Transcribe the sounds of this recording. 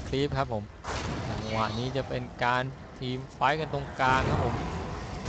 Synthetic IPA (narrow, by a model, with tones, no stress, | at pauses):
kʰli˦˥p̚kʰa˦˥p̚ʰːo˩˦m | t͡ɕa˧˩ŋwa̰˨˩ʔniː˦˥t͡ɕa˨˩ʔpe˧nkaː˧n | t̪ʰiː˧mfa˦˥jka˧nt̪o˧ŋkaː˧ŋkʰa˦˥pʰːo˩˦m